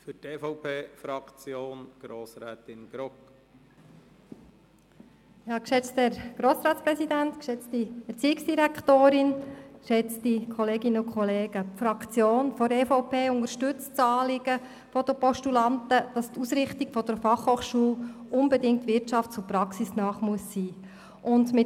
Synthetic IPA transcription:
fʏteːfɔʊpʰeːfɾɑkt͡sjoːnɡ̥ɾoːsɾɛːt̪ɪnɡ̥ɾɔk | jɑːkʃɛt͡stɛɾɡ̥ɾoːsɾɑːtspɾɛsidænt̪kʃɛt͡stiɛɾt͡siːɪksd̥iɾækχt̪oːɾɪnʃɛt͡stikʰχɔleːɡɪnəʊkχɔleːɡəpfɾɑkt͡sjoːnfɔɾɛfaʊpʰeːʊnəɾʃtʉt͡st͡sɑːlɪɡ̥ə | fɔd̥əpɔʃtulɑntəd̥ɑstusɾɪχtiɡ̥fɔd̥̪əɾfɑχhoːχʃuːlʔʊnbɛdɪŋktʋɪɾtt͡ʃɑftt͡sʊpɾɑksisnɑːχmuəsːiː | ʔʊndmɪ

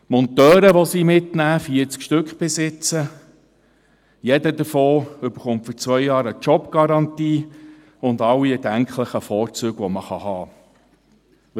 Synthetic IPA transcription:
mɔnt̪œːɾəʋɔsiːmɪtnæːfiəɾt͡skʃtɵkχb̥ɪsɪt͡sə | jɛdədəfoːʏbəɾχʊmtfɔt͡sʋœjjɑːɾət͡ʃɔpɡ̥ɑɾɑntiː | ʊndɑwiɛdæŋkχləχəfɔːɾt͡søːɡʋɔməχɑhɑː

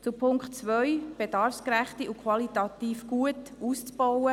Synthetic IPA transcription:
t͡supʰʊŋkχtt͡sʋœʏb̥edɑɾfskɾæχtiʔukʰwɑlitɑt̪iːfɡ̥uətuːst͡sb̥ɔwə

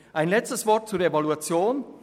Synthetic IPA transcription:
ʔaɪnlɛt͡stəsv̥ɔɐt̚t͡suɐevaluat͡sjoːn

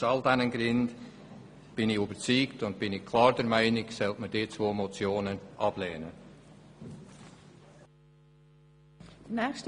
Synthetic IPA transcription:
ɑldænənɡrɪnd | b̥ɪnɪybət͡siːktʊnt̚b̥ɪnɪkkʰlɑːɹdɛɾmæɪnɪksɛltmədeːt͡svoːmot͡sjoːnənʔɑb̥lɛːnə | d̥ənɛːst

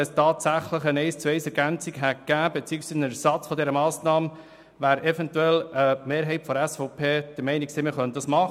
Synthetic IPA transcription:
ɛstɑːtsæχləχənɛɪst͡suɛɪsɛɾɡænt͡siɡɦækːæːbɛt͡siːksiːsnɛsɑt͡sfɔdɛɾəmɑːsnɑːm | ʋæːɾɛvɛntuɛləmeːɾɦɛɪtfɔdæsfɔʊpʰeːd̥əɾmɛɪniksɪmɪɾχœnt̚d̥ɑsmɑχ

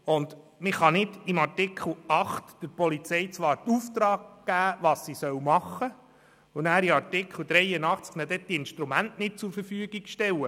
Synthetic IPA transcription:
ʊnd̪ | mɪχɑnɪdimɑrtɪkʰl̩ɑχtd̥əɾpɔlit͡sɛjt͡sʋɑːɾt̪uft̪ɾɑːɡ̚ɡ̥æːʋɑːssisœwmɑχə | ʊnæːɾiɑɾtɪkχl̩ˠd̥̪ɾɛjənɑχt͡sknɛdɛd̥iɪnʃtɾumæntnɪt̚t͡suɾfəɾfyəɡiɡ̥ʃtɛwə

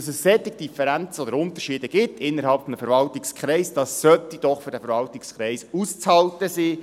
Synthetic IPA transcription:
sɛsːɛt̪ːɪɡ̚d̥ifəɾænt͡səod̪əɾʊnt̪əɾʃiːdəɡ̥ɪtʰːɪnːəɾɦɑlpfɔnəfəɾvɑltɪkskχɾɛɪsd̥ɑsːœt̪id̥ɔχfʏɾdɛfəɾvɑltɪkskχɾɛɪsuːst͡shɑltəsiː

